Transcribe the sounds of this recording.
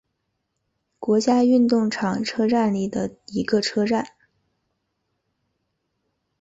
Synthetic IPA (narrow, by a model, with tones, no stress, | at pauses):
kwɔ˧˥t͡ɕja˥y˥˧nt̪ʊ˥˩ŋʈ͡ʂʰɑ˨˩ŋʈ͡ʂʰɤ˥ʈ͡ʂa˥˧nli˥˩d̪ə˩i˧˥ɡə˧ʈ͡ʂʰɤ˥ʈ͡ʂa˥˩n